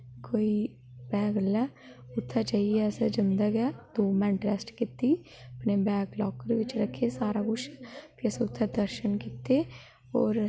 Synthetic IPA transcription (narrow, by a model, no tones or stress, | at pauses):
koːiː | bɛːɡlɛː | ʊt̪ʰːaːt͡ʃaːiːɛːsɛd͡ʒənd̪əɡɛːd̪oːmɛ̃ːɳɖɾɛːsʈkɪt̪ːiː | əpneːbɛːɡlɔːkd̪eʋɪt͡ʃɾəkʰːeːsaːɾaːɡʊʃp̪iəsʊt̪ʰːɛd̪əɾʃənkɪt̪eː | ɔ̰ːɾ